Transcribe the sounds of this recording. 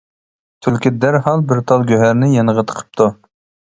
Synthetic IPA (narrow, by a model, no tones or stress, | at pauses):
t̪ʰylkʲid̪æɾɦɑlˠbɪɾt̪ʰɑlˠɡʲøɦæɾnɪjɑnəʁət̪ʰə̥qʰə̥p̚t̪ʰu